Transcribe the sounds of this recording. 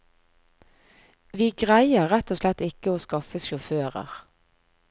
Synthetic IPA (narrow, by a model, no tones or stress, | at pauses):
ʋiːɡʁæɪəʁʁɛt̪oːslɛt̪ɪkəoːskɑfəsʃʊføːʁə̰ʁ